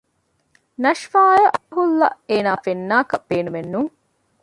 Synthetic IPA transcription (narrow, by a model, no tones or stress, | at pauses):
nɐʃfaːjɐɦulːɐeːnaːfenːaːkɐb̥eːnumenːuŋ